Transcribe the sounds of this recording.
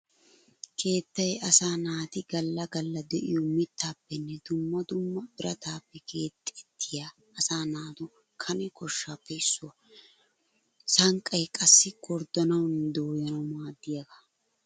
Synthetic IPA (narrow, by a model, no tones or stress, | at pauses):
kʰe̞ːt̪ːɐjɐsaːnaːt̪ɪɡɐlːɐɡɐlːɐd̪ɛʔɪjɔmɪt̪ːaːpːɛnːɛd̪̥ʊmːɐd̪ʊmːɐbɪɾɐt̪aːpːɛkʰe̞ːt̪ʼːɛt̪ʰːɪjaː | ɐsaːnaːt̪ʊ | kʰɐnɛkɔʃːaːpːɛɪsːʊɐ | sɐŋkʼːɐjkʼɐsːɪɡɔɾd̪ɐnɐwnd̪oːjɐnɐwmaːd̪ːɪjɐɡa